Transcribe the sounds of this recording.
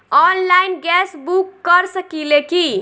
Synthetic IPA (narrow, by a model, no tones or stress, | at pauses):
ɔnlainɡɛsbukːʌɾsʌkileki